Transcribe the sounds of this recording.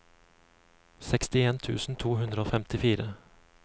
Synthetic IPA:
sɛkst̪ɪeːnt̪ʰʉ̰ːsn̩t̪ʰuːɦhʉnd̪ɾəoːfɛmt̪ɪfiːɾə

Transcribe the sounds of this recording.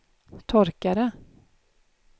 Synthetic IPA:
t̪ʰɔɾkaɾə

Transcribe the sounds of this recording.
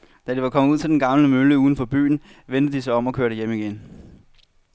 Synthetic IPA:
d̥æd̥iʋɑ̈kʰɒm̩uð̰ˠt͡sʰe̝ld̥enɡ̥ɑ̈ml̩əmøləuːn̩fɒ̽b̥y̰ːn̩ʋend̥əd̥isɑ̈ɪɒ̽m̰ɒ̽kʰøɐɾəjemiɡ̥en

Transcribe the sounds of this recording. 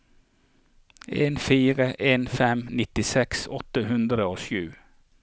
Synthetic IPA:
eːnfiːʁəʔeːnfɛmnɪt̪ɪsɛksɔt̪əhʉnd̪ʁəoːʃʉː

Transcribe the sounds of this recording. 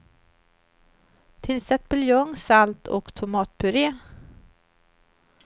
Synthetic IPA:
t̪ʰɪlsɛt̪̚bɪljɔŋsalt̪ʰɔ̰kt̪ʰʊmɑːt̪̚pʰɵɾeː

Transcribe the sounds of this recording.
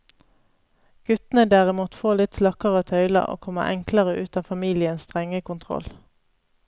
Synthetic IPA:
ɡ̥ʉt̪nəd̪æːʁɪmuːt̪foːlɪt̪slɑkəʁət̪ʰœʏlɑ̰ʔo̰ːkʰɔmə̰ʔɛŋkləʁəʔʉːt̪ɑːfɑmiːlɪənsst̪ʁɛŋəkʊnt̪ʰʁɔ̰l

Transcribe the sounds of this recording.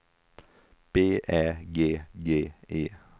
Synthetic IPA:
b̥eːʔæːɡeːɡeːʔiː

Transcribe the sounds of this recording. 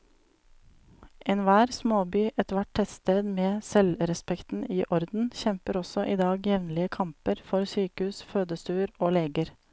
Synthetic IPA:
ʔeːnʋæːɾsmoːbyːʔɛt̪ʋæʈ̚tʰɛsst̪eːd̪meːsɛlɾɛspɛkt̪n̩iːʔɔɾd̪n̩çɛmpəɾɔsɔʔiːd̪ɑːɡjɛʋnlɪəkʰɑmpəɾfɔɾsyːkəhʉːsføːd̪əst̪ʉːɾoːleːɡəɾ

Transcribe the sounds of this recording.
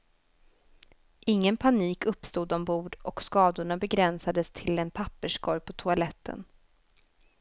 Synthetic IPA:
ʔɪŋːənpʰaniːkɵpːst̪uːd̪ɔmbuːɖʔɔkskɑːd̪ʊɳabɛɡɾɛnsad̪əst̪ʰɪlɛnpʰapːəʂkʰɔɾjpʰɔt̪ʰʊalɛt̪ʰːə̰n

